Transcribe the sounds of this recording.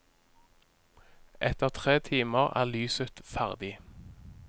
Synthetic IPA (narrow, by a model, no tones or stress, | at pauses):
ʔɛt̪əʁt̪ʰʁeːt̪ʰiːməʁæ̰ːʁlyːsət̪fæʁd̪ɪ